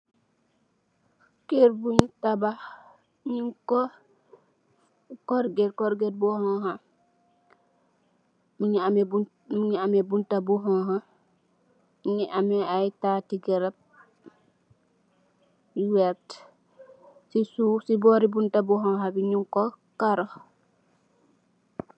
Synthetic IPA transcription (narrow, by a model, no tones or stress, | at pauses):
keɾbuɲtaba | ɲiŋkɔ | koɾɡetkoɾɡed̚bɔhɔ̃ha | miɲamebu | miɲiamebuntabuɦɔ̃ɦa | iɲiʔamɛajtatiɡɛɾab̚ | wɛɾt | sisusibɔɾibuntabuɦɔ̃ɦabiɲiŋkɔ | kaɾo